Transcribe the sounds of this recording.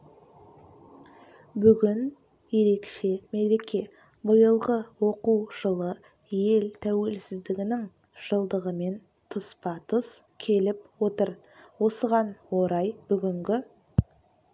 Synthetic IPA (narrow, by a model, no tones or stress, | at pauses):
bʏɡʲɪn | je̞ɾe̞kʃe̞me̞ɾe̞kʲe̞ | bəjəlˠʁəwo̞quwʒ̥əlˠə | je̞lt̪ʰæwe̞lsɪzd̪ɪɡʲɪnɪŋ | ʒ̥əlˠd̪əʁəme̞n | t̪ʰʊspɑt̪ʰʊs | kʲʰe̞lɪp̚wot̪əɾ | wo̞səʁɑnwo̞ɾɑjb̥ʏɡʲɪŋɡʲɪ